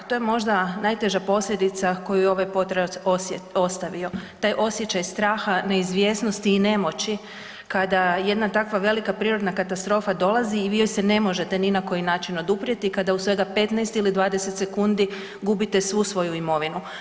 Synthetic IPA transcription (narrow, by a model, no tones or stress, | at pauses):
t̪o̞jemo̞ʒd̪anajt̪e̞ʒapo̞slʎʲe̞d̪it̪sako̞jujeo̞ʋajpo̞t̪ɾeosjo̞st̪aʋio̞t̪aːjʔo̞sje̞t͡ɕajst̪ɾaːxane̞izʋje̞ːsno̞st̪iːne̞mo̞t͡ɕi | kad̪aje̞d̪nat̪akʋaʋe̞likapɾiːɾo̞d̪nakat̪ast̪ɾo̞ːfad̪o̞lˠaziːʋiːojsene̞mo̞ʒe̞t̪e̞ninako̞jinaːt͡ʃino̞d̪upɾje̞t̪ikad̪ausʋe̞ɡape̞t̪nɛjst̪ilid̪ʋaːd̪ese̞t̪se̞kund̪i | ɡubit̪e̞sʋusʋo̞juimo̞ʋinu